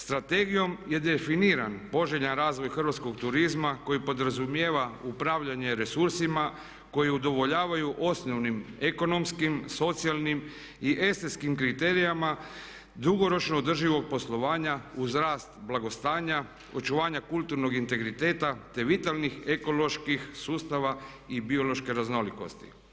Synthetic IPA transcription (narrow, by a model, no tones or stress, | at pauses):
st̪ɾat̪e̞ɡijo̞mje̞d̪efiniːɾanpo̞ʒeʎanɾaːzʋo̞jxr̩ʋat̪sko̞ɡt̪uɾizmako̞jipo̞d̪ɾazumjeːʋaupɾaʋʎaɲe̞ɾe̞suɾsima | ko̞jiud̪o̞ʋo̞ʎaːʋajuʔo̞snoʋnimeko̞no̞mskimso̞t̪sijalˠnim | iʔe̞st̪eskimkɾit̪e̞ːɾijama | d̪uɡo̞ɾo̞t͡ʃnoːd̪r̩ʒiʋo̞k̚po̞slˠo̞ʋaːɲauzɾaːst̪blˠaɡo̞st̪aːɲa | o̞t͡ʃuʋaːɲakulˠt̪uɾno̞ɡint̪e̞ɡɾit̪e̞ːt̪at̪e̞ʋit̪alnixe̞ko̞lo̞ʃkixsuːst̪aʋa | ibio̞lo̞ʃke̞ɾazno̞liko̞̰st̪i̥̰